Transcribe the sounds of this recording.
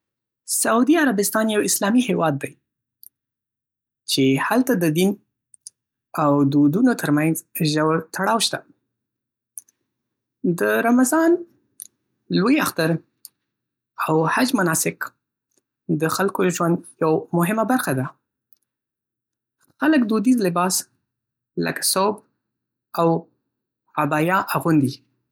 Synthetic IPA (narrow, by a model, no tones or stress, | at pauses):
saud̪iaɾabɪst̪ɑnjawɪslɑmihewɑd̪ːaj | t͡ʃehalt̪ad̪əd̪in | awd̪od̪unot̪ʰəɾmanzʒəwt̪ʰaɽɑwʃt̪a | d̪əɾamazɑn | lojaxt̪aɾ | awhad͡ʒmanɑsɪk | d̪əxalkod̪əʒwand̪jawmʊɦɪmabaɾxad̪a | xaləkd̪od̪izlɪbɑs | lə̰kḁsob | aw | abɑjɑʔaɣund̪i